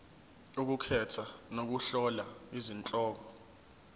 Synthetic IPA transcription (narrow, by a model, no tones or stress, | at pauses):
uk̬ukʰɛtʰanok̬uɬɔlaizint͡ɬʼɔːk̬ɔ